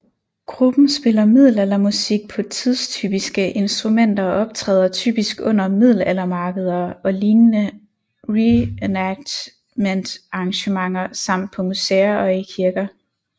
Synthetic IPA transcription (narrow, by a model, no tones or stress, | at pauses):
ɡ̥ʁub̥n̩sb̥e̝lɐmið̞̰ˠl̩elɐmusiɡ̥̚pʰɒ̽t͡sʰið̞ˠst͡sʰy̰ːb̥isɡ̥əʔe̝nsd̥ʁumen̰d̥ɐɒʔɒ̽b̥̚t͡sʰʁɛ̰ːð̞ˠɐt͡sʰy̰ːb̥isɡ̥ɔ̽n̰ɐmið̞ˠl̩elɐmɑ̈ːɡ̥əð̞ˠɐɒ̽liːnnə | ʁienæɡ̥d̥ | mend̥ʔɑ̈ɑŋɕəmɑ̈ŋɐsɑ̈m̰d̥̚pʰɒ̽museɐʔɒ̽ikʰiɐɡ̥ɐ